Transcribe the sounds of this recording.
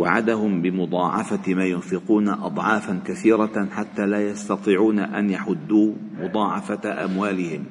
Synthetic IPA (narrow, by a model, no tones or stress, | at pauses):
waʕad̪ahʊmbɪmʊd̪ˤɑːʕɑ̰famaːjʊnfɪquːnaʔɑd̪ˤʕɑːfankaθiːɾɑħat̪ːaːlaːjɑst̪ɑt̪ˤiːʕuːnaʔanjaħʊd̪ːuːmʊd̪ˤɑːʕɑfaʔa̰mwaːlɪhɪm